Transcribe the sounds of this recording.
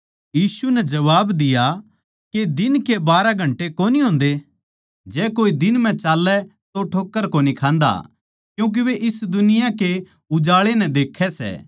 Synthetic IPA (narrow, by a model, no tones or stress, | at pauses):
jiːsunɛd͡ʒɐʋaːbd̪ɪja | ked̪ɪnkebaːɾaɡʱɐ̃ɳʈekoːniɦõːnd̪e | d͡ʒɛːkoːid̪ɪnm̤ɛ̃t͡ʃaːlːɛt̪oʈʰoːkːəɾkonikʰãːnd̪a̰ | kjũːk̬iʋeʔɪsd̪ʊnɪjãke | ʊd͡ʒaːɭenɛ̃d̪eːkʰɛsɛ̰ː